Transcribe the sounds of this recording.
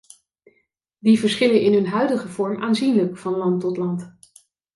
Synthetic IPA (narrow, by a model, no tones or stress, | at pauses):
divəɹsχɪlənɪnɦɵnɦœɥdəχəvɔɹmʔaːnzinləkfɑnlɑntɔtlɑnt